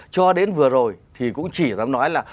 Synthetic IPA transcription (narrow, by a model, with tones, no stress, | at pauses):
t͡ɕɔ˧ɗe˨˦nvɨ˨˩əzo˨˩jt̪ʰi˨˩kʊ̰˧˥ŋ͡mt͡ɕi˧˩zaː˨˦mnɔ˨˦jlaː˨˩